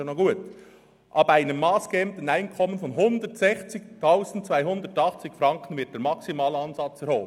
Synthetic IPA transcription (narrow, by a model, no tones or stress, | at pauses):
noɡuːət | ʔɑːbæɪnəmːɑːsɡ̥əɛm̚tən̩aɪnkʰɔmənfɔnɦʊndətsɛçt͡sɪk̚tʰaʊzn̩tt͡sv̥aɪɦʊnd̪ətɑχt͡sɪkfɾɑŋkən̩vɪt̚d̥eːɾmɑksimɑːlɑnzɑt͡sɛɾhoːb